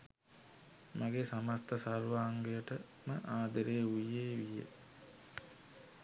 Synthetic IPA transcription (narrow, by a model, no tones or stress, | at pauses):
maɡesamast̪əsarʋaːŋɡejəʈə | məʔaːd̪əɾeːujeːʋijə̰